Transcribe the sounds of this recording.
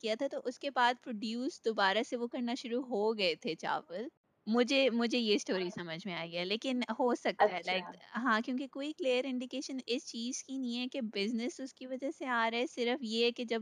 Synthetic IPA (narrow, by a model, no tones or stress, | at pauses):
kijat̪ʰat̪oʔʊskebaːd̪̚pɾoːɖjuːsd̪oːbaːɾaseʋokɐɾnaʃʊɾuɦoɡɐet̪ʰet͡ʃa̰ːʋəl | mʊd͡ʒʱemʊd͡ʒʱejesʈoːɾisɐməd͡ʒʱmẽaːjiɡɐjaleːkɪnhoːsɐk̚t̪aɦɛlaɪkɦãːkjõːkekoːikliːəɾɪ̃ɳɖɪkeːʃənɪst͡ʃiːz̥kinɐɦĩɦɛkebɪznɪsʊskiʋɐd͡ʒaseaːɾɐɛsɪɾəfjeɦɛked͡ʒɐb